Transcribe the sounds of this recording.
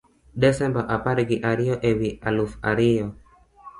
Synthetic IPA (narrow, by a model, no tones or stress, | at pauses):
desɛmbaʔapaɾeɡiʔaɾioʔewialufaɾio